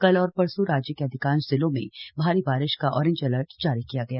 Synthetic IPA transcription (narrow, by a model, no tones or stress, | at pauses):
kɐlɔːɾpɐɾsuɾaːd͡ʒjəkeɐd̪ʱɪkãːnt͡ʃzɪlõmḛ̃bʱaːɾibaːɾɪʃkaʔɔ̰ːɾɪ̃ɲd͡ʒɐləɾʈd͡ʒaːɾikijaɡɐjaː